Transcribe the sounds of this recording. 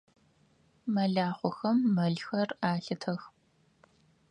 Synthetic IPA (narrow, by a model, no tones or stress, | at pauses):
mɐɮaːχʷʊxɐmːɐɮxɐraːɬɨtʰɐx